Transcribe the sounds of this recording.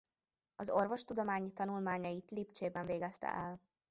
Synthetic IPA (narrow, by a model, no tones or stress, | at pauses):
ɒzo̞rvo̞ʃt̪ud̪o̞maːɲit̪ɒnulmaːɲɒjit̪lipt͡ʃeːbɛɱveːɡɛst̪ɛ̰ʔɛl